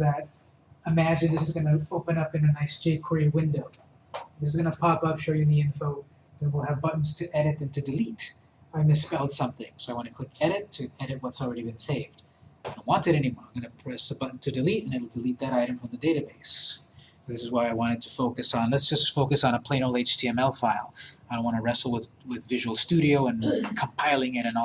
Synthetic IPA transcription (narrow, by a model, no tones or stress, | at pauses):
ðɨɾ̚ | ɨmæd͡ʒɨ̃nðɪsɨzɡʌnɨoʊpɨ̃nʌpɨ̃nɨnaɪsd͡ʒ̥eɪp̚kʰiwɪ̃ndoʊ | ðɪsɨzɡʌnəpʰɑpʌpʃoʊjɨmiɪ̃nfoʊ | ðə̃t̚wəlˠɨvbʌʔn̩z̥tʰɨʔɛɾɨɾɨ̃ntʰɨdɨlit | aɪmɨspɛlˠd̥sʌ̃mθɪ̃ŋsoʊaɪwɑ̃ntʰɨkʰl̥ɪkɛɾɨtʰɨɛɾɨt̚wʌtsl̩ˠɹɛɾibɨ̃nseɪvd̥ | aɪdõʊ̃nʔ̚wɑ̃ntɨɾɛnimɔɹãɡʌnɨpʰɹ̥ɛsəbʌʔn̩tʰɨdɨliɾɨ̃nɨɪl̩ˠdɨlit̪̚ðɨɾaɪɾɨ̃mɱfɹʌ̃mðɨdeɪɾɨbeɪs | ðɪsɨzwaɪaɪwɑ̃ɾ̃ɨd̚tʰɨfoʊkɨsn̩lətsd̥ʒ̥ʌstfoʊkɨsn̩əpʰl̥ẽɪñolˠeɪt͡ʃtʰiɛ̃mɛlˠfaɪlˠaɪɾõʊ̃nwɑ̃nəɹɛsl̩ˠwɪðwɪðvɪʒɨwl̩ˠstʉɾioʊɨ̃nkʰə̃m̩pʰaɪlˠɪ̃ŋɪɾɨ̃n